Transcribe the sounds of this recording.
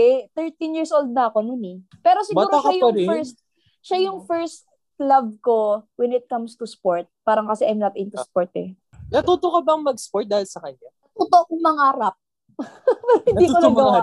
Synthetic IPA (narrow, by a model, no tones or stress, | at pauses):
ɛt̪ɛɹt̪injiːɹsʔold̪̚nɐɐkononɛpɛːɾosɪɡuːɾoɐɐjʊfɛɹst̪̚ | ʃajʊŋfɛɹst̪̚ | lɐbko̞wɛnɪt̪̚kɐmst̪ʊspoɹt̪̚paːɾɐŋkɐsɛʔɐjmnɐt̪ʔɪnt̪ʊspoɹt̪̚ɛ | nɐt̪uːt̪okɐbɐŋmɐɡspoɹt̪̚d̪aːhɪlsɐkɐɲa | t̪ot̪oʔoŋmɐŋaːɾɐp̚ | pɐɾhɪ̃nd̪iːkonɐɡwa